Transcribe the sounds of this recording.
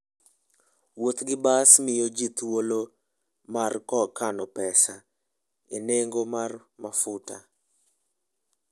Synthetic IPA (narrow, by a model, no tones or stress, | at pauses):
wot̪ɡɪbasmɪjod͡ʒit̪wolo | markɔkanɔpɛsa | ineŋɡomar | mafʊta̰